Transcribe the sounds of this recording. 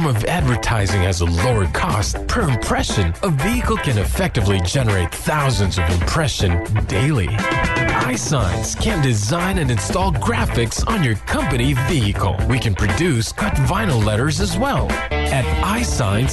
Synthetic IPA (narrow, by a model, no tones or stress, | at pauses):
mʌvædvə˞tʰaɪzɪ̃ŋɨzəloʊə˞kʰɔst̚pʰə˞ɨ̃mpʰɹ̥ɛʃɨ̃nəviɨkl̩ˠkʰɨ̃nɨfɛk̚tɨvlid͡ʒɛnə˞eɪt̪̚θaʊzɨ̃nzʌvɨ̰̃mpʰɹ̥ɛʃɨ̃ndeɪlˠḭ | aɪsãɪ̃nz̥kʰɨ̃ndɨzãɪ̃nɨ̃nɨ̃nstɔlˠɡɹæfɨksn̩jə˞kʰʌ̃mpɨniviɨkʰl̩ˠwikɨ̃npʰɹ̥ɨdʉskʰʌtvãɪ̃nl̩ˠlɛɾə˞zɨzwɛlˠɨɾaɪsã̰ɪ̃nz